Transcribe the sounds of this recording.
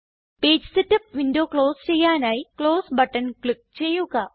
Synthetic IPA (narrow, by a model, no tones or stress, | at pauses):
peːd͡ʑsitːɐp̚ʋindoːkɭo̞ːst͡ɕe̞jːaːnaːjikɭoːsbɐʈːɐnkɭik̚t͡ɕe̞jːuɣɐ